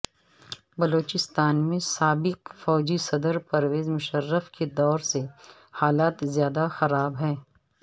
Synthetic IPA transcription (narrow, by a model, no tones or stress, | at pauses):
bɐloːt͡ʃɪst̪aːnmẽsaːbɪkfɔːd͡ʒisɐd̪əɾpɐɾʋeːzmʊʃəɾːəfked̪ɔːɾse | haːlaːt̪zjaːd̪axɐɾaːbɦɛː